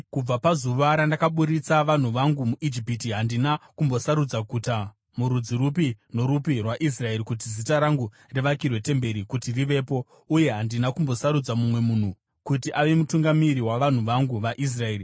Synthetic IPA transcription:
kub͡vapazuʋaɾandakaɓuɾit͡saʋan̤uʋaŋɡumuʔid͡ʒipitiɦandinakumbo̞saɾud͡zakuta | muɾud͡ziɾupino̞ɾupirwaʔis̬rae̞ɾikut̬izitaɾaŋɡu | reʋakirwe̞te̞mbe̞ɾikutiriʋe̞ːpo̞ | uje̞ɦandinakumbo̞saɾud͡zamumwe̞mun̤u | kutiʔaʋe̞mutuŋɡamiɾiwaʋan̤uʋaŋɡuʋaʔis̬rae̞ːri

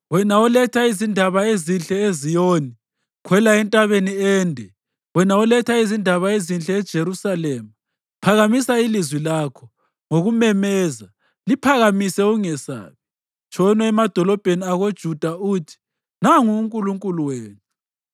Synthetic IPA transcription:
wɛnaɔlɛtʰaizindʱaβaezinɬʼɛezijoːni | kʰwɛlaɛntʼaβeniɛːndʱɛ | wɛnaɔlɛtʰaizindʱaβaezinɬʼɛːd̥ʒ̥ʱeɾusalɛːma | pʰaɣamisailizwilaːkʰɔ | ŋoɣumɛmɛːza | lipʰaɣamisɛuŋɛsa̰ːβɛ | t͡ʃʰʼɔnwɛɛmad̥ʱɔlɔb̥ʱeniaɣod̥ʒ̥ʱud̥ʱauːtʰi̥ | naŋuːŋkʼuluŋkʼuluweːnɛ

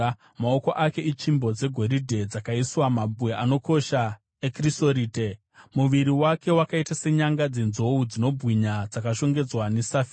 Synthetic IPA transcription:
mao̞ko̞ʔake̞it͡ʃimbo̞d͡ze̞ɡʱo̞ɾidʱe̞d͡zakaiswamabʱueʔano̞ko̞ʃa | ekrisoɾiːte | muʋiɾiwake̞wakaitase̞ɲaŋɡad͡ze̞nzo̞ud͡zino̞bʱwiɲad͡zakaʃo̞ŋɡe̞d͡zwanesafi

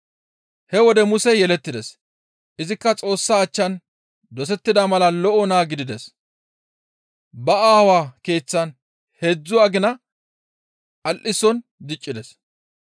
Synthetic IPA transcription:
hɛwɔd̪ɛmʊsɛjɛlɛt̪ːɪd̪ɛs | ʔɪzɪkːɐt͡sʼo̞ːsːaːt͡ʃːɐn | d̪ɔs̬ɛt̪ːɪd̪ɐmɐlɐlɔʔɔnaːɡɪd̪ɪd̪ɛs | bɐaːwaːke̞ːt͡sːɐn | hed͡zːʊaːɡɪnɐ | ʔɐlʔɪsɔnd̪ɪt͡ʃʼːɪd̪ɛs

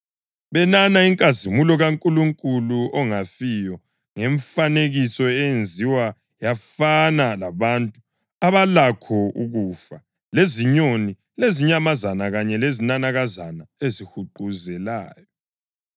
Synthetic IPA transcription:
βɛnanaiŋkʼazimulɔɣaŋkʼuluŋkʼuluɔŋafijɔ | ŋeɱfaneɣisɔɛjend͡zʱiwa | jafanalaβantʼu | aβalakʰɔuɣuːfa | leziɲoni | leziɲamazanaɣaɲɛlezinanaɣazanaezihuǃuzɛlaːjɔ

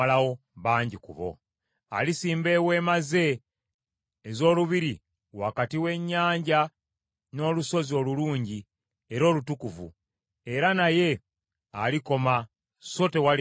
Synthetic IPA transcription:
alawo̞ | βaːɲɟikṵβo̞̰ | a̰lisiːmbe̞we̞ːmaze̞ | zo̞ːluβiɾi | wakatiwe̞ɲːaːɲɟa | no̞ːluso̞zio̞ːluluːɲɟi | e̞ɾo̞ːlutukuvṵ | e̞ɾanaje̞ | aliko̞ma | so̞te̞wal

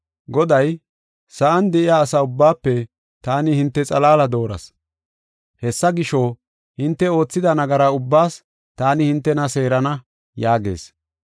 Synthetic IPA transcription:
ɡɔd̪ɐj | sɐʔɐnd̪ɛʔɪjaːsɐʊbːaːpːɛ | t̪aːnɪhɪnt̪ːɛt͡sʼɐlaːlɐd̪o̞ːɾɐ̰s | hɛsːɐɡɪʃo | hɪnt̪ːɛo̞ːt͡sːɪd̪ɐnɐɡɐɾɐʊbːaːs | t̪aːnɪhɪnt̪ːɛnɐse̞ːɾɐnɐ | jaːɡe̞̰ːs

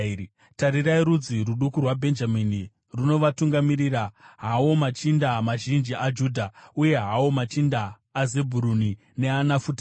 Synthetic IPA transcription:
taɾiraiɾud͡ziruɗukurwabʱe̞nd͡ʒamini | runo̞ʋatuŋɡamiɾiraɦawo̞mat͡ʃindamaʒind͡ʒiʔad͡ʒuːdʱauje̞ɦawo̞mat͡ʃindaː | ze̞bʱuɾuni | ne̞anafuta

